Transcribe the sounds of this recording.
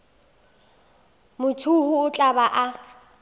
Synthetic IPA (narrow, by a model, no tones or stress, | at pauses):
mʊtʰuhʊʊt͡ɬʼabaʔa